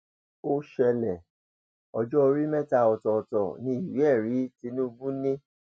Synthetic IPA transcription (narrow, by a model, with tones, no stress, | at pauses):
o˦ʃɛ˧lɛ˨ | ɔ˧d͡ʒɔ˦o˧ɾi˦mɛ̃˦ta˧˨ɔ˨tɔ˨ɔ˨tɔ˨nĩ˧˦i˦˨wɛ˦˨ɾi˨˦ti˧nũ˦bũ˦nĩ˦